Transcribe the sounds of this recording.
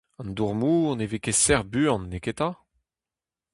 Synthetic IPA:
ɑ̃nd̪uʁmuːɔ̃nevekesɛʁbyɑ̃nːeket̪a

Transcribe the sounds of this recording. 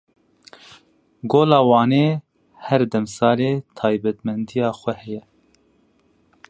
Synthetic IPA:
ɡoːlɑːwɑːneː | hɛɾd̪ɛmsɑːleːt̪ʰɑːjbɛt̪mɛnd̪ijɑːxʷɛhɛjɛ

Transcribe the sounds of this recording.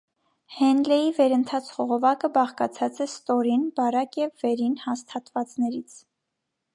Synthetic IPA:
hɛnlɛjivɛɾənt̪ʰɑt͡sʰχɔʁɔvɑkəbɑχkɑt͡sʰɑt͡sɛst̪ɔɾinbɑɾɑkjɛvːɛɾinhɑst̪ʰɑt̪vɑt͡snɛɾit͡sʰ

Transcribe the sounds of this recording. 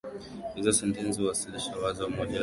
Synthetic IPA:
hizɔsɛntɛnsiwasiliʃawazɔwamɔʄa

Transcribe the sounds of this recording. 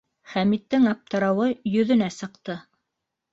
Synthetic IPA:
χæmit̪ːɘŋɑp̚t̪ɤ̆ɾɑwɤjɵ̆ðɵ̆næsɤ̆qt̪ɤ

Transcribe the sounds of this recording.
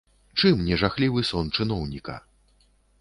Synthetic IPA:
t͡ʂɨmnʲɛʐaxlʲivɨsɔnt͡ʂɨnɔwnʲikɐ̰

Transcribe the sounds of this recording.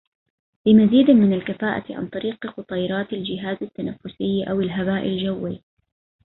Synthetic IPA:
lɪmaziːd̪mɪnalkafaːʔa̰ʕa̰nt̪ˤɑɾiːqqʊt̪ˤɑjɾˤɑːt̪ɪld͡ʒɪɦaːzat̪ːanafːʊsɪjːʔa̰wɪlɦabaːʔɪ̰ld͡ʒawːi

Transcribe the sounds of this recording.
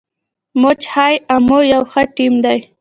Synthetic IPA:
mot͡ʃhajamojawxəʈimd̪aj

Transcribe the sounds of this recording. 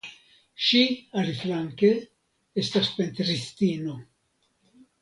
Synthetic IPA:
ʃiaɾiflaŋke | est̪aspent̪ɾist̪iːno

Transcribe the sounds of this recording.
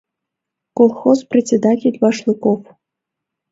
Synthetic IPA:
kolˠxozprʲet͡sʲed̪atʲelʲvaʂlˠɨkof

